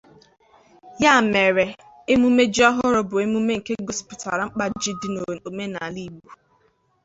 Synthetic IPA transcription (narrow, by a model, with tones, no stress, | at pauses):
ja˦˨me˨ɾe˨ | e˦mu˦me˦d͡ʒi˦ɔ˦ɦʊ˦ɾʊ˦bʊ˨e˦mu˦me˦ŋ̩˨ke˦ɡo˦spʊ˨ta̰˨ɾa˨ŋ͡m̩˦k͡pa˦d͡ʒɪ˦dɪ˦no˨o˨me˦na˨li˦˨bu˦